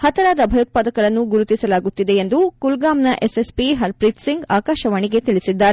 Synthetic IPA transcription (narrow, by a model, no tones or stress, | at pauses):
hɐt̪ɐɾaːd̪ɐbʱɐjut̪̚paːd̪ɐkɐɾɐnːuɡuɾut̪isɐlaːɡut̪ːid̪e̞end̪ukulɡaːmnɐʔesespiɦɐɾpɾit̪siŋɡaːkaːʃɐʋɐɳiɡe̞t̪iɭisid̪ːaːɾe